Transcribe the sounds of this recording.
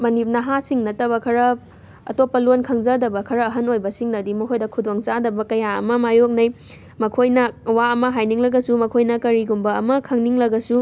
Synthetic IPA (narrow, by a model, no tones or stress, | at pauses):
mɐnip̚nɐɦasiŋnɐtɐβɐkʰɐɾɐ | ɐ̰topːɐlonkʰɐŋzɐdɐbɐkʰɐɾɐːɦɐnojbɐsiŋnɐdimɐkʰojdɐkʰudoŋt͡ʃadɐbɐkɐjaɐ̰mɐmajok̚nɐj | mɐkʰojnɐwaɐmɐɦajniŋlɐɡɐsumɐkʰojnɐkɐɾiɡumbɐɐmɐkʰɐŋniŋlɐɡɐsu